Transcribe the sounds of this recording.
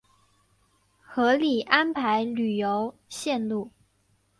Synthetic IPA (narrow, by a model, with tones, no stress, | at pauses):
xɤ˧˥li˨˩ʔa˦npʰa˧˥ɪly˨˩jo˧˦ʊɕjɛ˥˧nlu˥˩